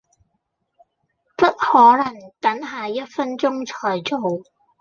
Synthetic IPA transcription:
pɐ˥t̚hɔː˨˥lɐ˨˩ŋt̪ɐ˨˥nɦaː˨jɐ˥t̚fɐ˥nt͡sʊ˥ŋt͡sʰɔː˨˩jt͡so˨w

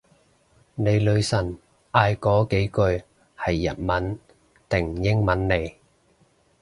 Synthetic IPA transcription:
ne˨˧jlɵ˨˧ɥsɐ˨˩n | ʔaː˧jkɔː˨˥ke˨˥jkɵ˧ɥ | hɐ˨jːɐ̰˨t̚mɐ˨˥n | t̪ɪ˨˩ŋjɪ˥ŋmɐ˨˥nːe˨˧j

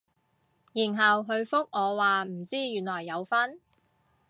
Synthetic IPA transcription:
jiː˨˩nɦɐ˨˩wɦɵ˧ɥfʊ˥k̚ŋɔː˨˧waː˨m̩˨˩t͡siː˥jyː˨˩nlɔː˨˩jːɐ˨˧wfɐ˥n

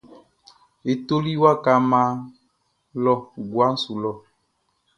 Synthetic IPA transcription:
e˨to˦li˦wa˦ka˨mã˦ | lɔ˦ɡwa˦n̩˦su˨lɔ˨

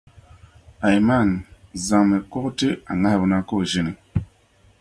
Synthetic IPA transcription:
a˨jma˦˨nza˨ŋme˨kɔ˦ktɨ˦a˨ŋa˦hbə˨na˦ko˦˨ʒi˦ni˨

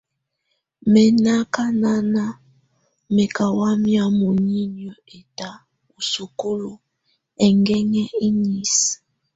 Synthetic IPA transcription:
mɛ˨na˦ka˦na˦na˦ | mɛ˨ka˨wa˦mja˦mo˨ɲi˦n˨ɔ˨e˨ta˨ | u˨su˨ku˦lo˨ | ɛ˨ŋɡɛ˦ŋɛ˦i˦ɲi˦s

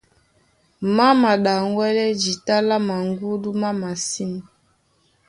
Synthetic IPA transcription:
ma˦ma˨ɗa˨ŋwɛ˦lɛ˦d͡ʒi˨ta˦la˦ma˨ŋɡu˦du˦ma˦ma˨si˦m˨

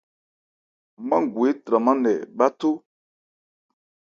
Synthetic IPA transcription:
mã˦ŋ˨ɡwe˨˦tɾa˨mã˦nɛ˨ɓa˦to˦

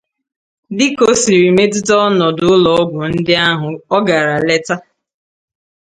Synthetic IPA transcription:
dɪ˦ko˦si˨ɾi˨me˦tʊ˦tɔ˦nɔ˨dʊ˨ʊ˦lɔ˨ɔ˦ɡʷʊ˨n̩˦dɪ˦a˦ɦʊ˨ɔ˦ɡa˨ɾa˨le˦ta˦

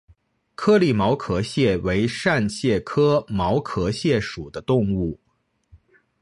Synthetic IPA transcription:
kʰɤ˥li˥˩mɑ˧˥ʊkʰɤ˧˥ɕjɛ˥˩we˧˥ɪʂa˥˧nɕjɛ˥˩kʰɤ˥mɑ˧˥ʊkʰɤ˧˥ɕjɛ˥˩ʂu˨˩d̪ə˦t̪ʊ˥˧ŋu˥˩

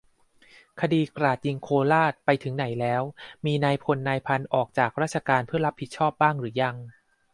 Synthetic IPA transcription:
kʰa˧diː˧kɾaː˨˩t̪̚ji˧ŋkʰoː˧laː˥˩t̪̚pa˧jt̪ʰɯ˩˦ŋna˩˦jlɛː˦˥wmiː˧naː˧jpʰo˧nːaː˧jpʰa˧nʔɔː˨˩k̚t͡ɕaː˨˩k̚ɾaː˥˩t̪̚t͡ɕʰa˧kaː˧npʰɯ˥˩ɐɾa˦˥p̚ʰːi˨˩t̪̚t͡ɕʰɔː˥˩p̚baː˥˩ŋɾɯː˩˦ja˧ŋ

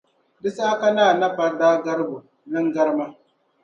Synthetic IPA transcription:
dɪ˦saː˦ka˦naː˦˨nɐ˦ɸa˨daː˦ɡɐ˦ɾbo˨ | nɐ˦ŋɡɐ˦ɾma˦

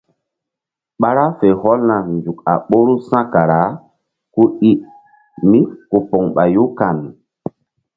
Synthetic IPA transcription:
ɓa˦ɾa˦fe˨hɔ˦lna˨nd͡ʒu˨ka̰˨ɓo˦ɾu˦sã˦ka˨ɾa˨˦ | ku˦i˦ʔ | mi˦ku˨pɔ˨ŋɓa˨ju˦ka˨mi˨

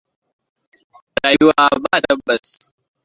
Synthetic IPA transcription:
ɾaː˨ju˦waː˦baː˦˨tɐ˦bːɐ˨s

